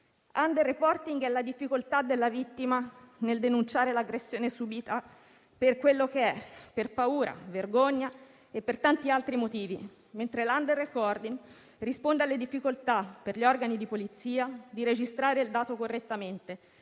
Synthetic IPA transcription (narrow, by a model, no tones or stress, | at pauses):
and̪erːepɔrt̪iŋɡɛlːad̪ifːikolt̪ad̪ːelːavit̪ːimaneld̪enunt͡ʃaːɾelaɡɾesːjoːnesubit̪a | perkwelːok̟eɛpːerpauːɾʔa̰verɡoɲːa | epːert̪ant̪ialt̪ɾimot̪iːvḭ | ment̪ɾeland̪erːekɔrd̪iŋ | rispond̪ealːed̪ifːikolt̪apːerʎiɔrɡanid̪ipolit̪sːiːad̪iɾed͡ʒist̪ɾaːɾeild̪aːt̪okorːet̪ːament̪e